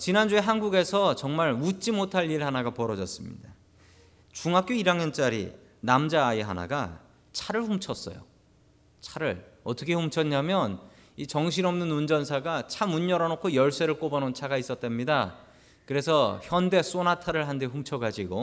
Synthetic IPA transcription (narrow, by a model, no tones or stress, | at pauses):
t͡ɕinand͡ʑue̞ɦanɡuɡe̞sʰʌt͡ɕʌŋmaɭmut͡ɕ͈imotʰaʎːiɯɭhanaɡapʌɾʌd͡ʑʌs͈ɯmɲḭda | t͡ɕuŋak͈joiɾaŋjʌnt͡ɕ͈aɾḭ | namd͡ʑaːeɦana̰ɡa | t͡ɕʰaɾɯɭɸumt͡ɕʰʌs͈ʌ̰jo̰ | t͡ɕʰaɾɯɭʌt͈ʌkʰe̞ɸumt͡ɕʰʌɲɲamjʌn | it͡ɕʌŋɕ̬ʰinʌmnɯnund͡ʑʌnsʰaɡat͡ɕʰamuɲːʌɾanokʰojʌɭs͈eɾɯɭk͈obʌnont͡ɕʰaɡais͈ʌt̚t͈we̞mɲida | kɯɾe̞sʰʌçjʌnde̞s͈onatʰaɾɯɭɦandeɸumt͡ɕʰʌɡad͡ʑiɡo